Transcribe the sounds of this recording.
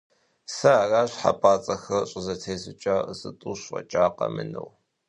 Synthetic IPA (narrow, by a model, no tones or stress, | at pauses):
sɐaːraːɕħa̰pʼaːt͡sʼɐxɐrɕʼɪzɐtʰeːsɨt͡ʃʼaːəsʼɨtʼuːɕɐ̰t͡ʃʼaːqɐmɨnɨ̰w